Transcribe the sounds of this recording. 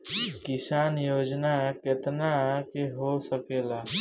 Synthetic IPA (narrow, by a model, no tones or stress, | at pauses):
kisaːnjoːd͡ʒnaket̪nakeɦosəkeːla